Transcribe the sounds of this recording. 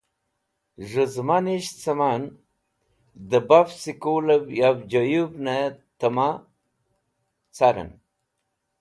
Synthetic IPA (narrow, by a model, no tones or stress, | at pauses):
ʐəzmaniɕt͡sɐman | d̪əbafsikulɐbjabd͡ʑojubnet̪əma | t͡saɾə̰n